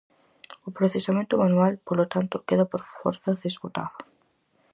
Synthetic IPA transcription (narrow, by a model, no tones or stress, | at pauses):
ʊpɾoθesamẽnt̪ʊmanualpolot̪ant̪ʊkeðapoɾfo̰ɾθazðeskut̪a̰ða